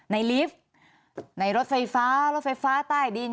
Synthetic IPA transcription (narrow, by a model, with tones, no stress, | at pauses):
na˧˩jli˦˥p̚ | na˧˩jɾo˦˥t̪̚fa˧jfaː˦˥ɾo˦˥t̪̚fa˧jfaː˦˥t̪aː˥˩jdiː˧